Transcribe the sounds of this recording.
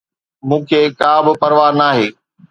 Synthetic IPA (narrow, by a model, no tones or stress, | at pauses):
mũːkʰeːkaːbɪpɐɾʋaːnaːɦeː